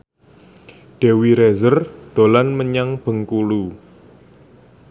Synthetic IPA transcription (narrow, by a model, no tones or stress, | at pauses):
ɖ̥e̤wiɾezərd̪̥o̤lanməɲaŋb̥ə̤ŋkulu